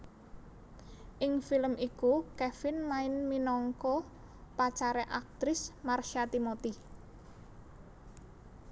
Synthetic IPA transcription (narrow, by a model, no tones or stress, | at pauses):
ʔɪŋfiləmikukɛfɪnmaɪnminɔŋkɔ | pat͡ʃaɾɛʔak̚t̪ɾɪsmarʃat̪imot̪i